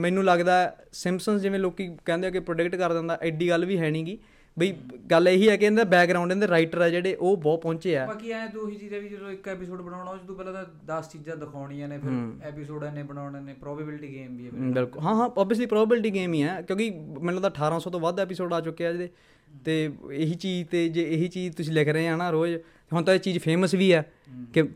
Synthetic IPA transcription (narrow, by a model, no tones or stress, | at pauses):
mɛ̃ːnũːləɡd̪aːɛː | sɪ̃mpsənsd͡ʒɪʋẽːloːkikɛ̃ːnd̪eaːkɪpɾoːɖɪkʈkəɾd̪ɛ̃ːnd̪aːʔɪɖiːɡəlʋiːɦɛːɽ̃ĩːɡiː | bəiːɡəleɦiːɛːkeɛ̃nd̪ɛːbɛːk̚ɡɾaːʊ̃ɳɖẽːnd̪eːɾaːɪʈəɾɛːd͡ʒeːɽeːʔoːbɔːt̪̚pɔ̃ːɲt͡ʃeːɛːbaːkiɛːẽːd̪oːɦiːt͡ʃiːd͡ʒãːʋiːd͡ʒəd̪õːɪkɛːpɪsoːɖbəɽaːɽ̃aːd͡ʒət̪ũːpɛːlãːt̪ː | d̪əst͡ʃiːd͡ʒãːd̪əkʰaːʊɽ̃iːãːneːpʰɪɾɛːpisoːɖɛːnẽːbənaːneːneːpɾɔːbəbɪlʈiːɡeːmbiːɛːbɪlkʊlɦãːɦãːɔːbiəs̬liːpɾɔːbəbɪlʈiːɡeːmiːɛːkjõːkimɛ̃ːlːõːd̪aːəʈʰːaːɾãːsɔːt̪õːʋad̪ɛːpɪsoːɖaːt͡ʃʊkːeːaːd͡ʒd̪eː | t̪eːɪɦiːt͡ʃiːd͡ʒt̪eːd͡ʒeːɦiːt͡ʃiːd͡ʒt̪ʊsĩːlɪkʰɾəeːaːnãːɾoːd͡ʒ | t̪eːɦʊnt̪õːet͡ʃiːd͡ʒpʰeːməsʋiːɛː | kɪ